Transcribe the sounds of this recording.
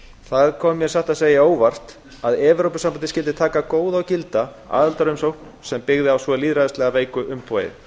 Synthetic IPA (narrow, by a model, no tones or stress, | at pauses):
θaðkʰɔːmːjɛ̥saht̪aðseːjaoːwvar̥t̪ | aðɛːvʏɾowpʏsampanɪscɪlt̪ɪt̪ʰaːkakoːwðawcɪlt̪a | a̰ːðalt̪aɾʏjmsowkn | sɛmpɪɣðɪawsvɔliːðɾaðast̪lɛɣaveːjkʏʔʏmpɔːjɪ̰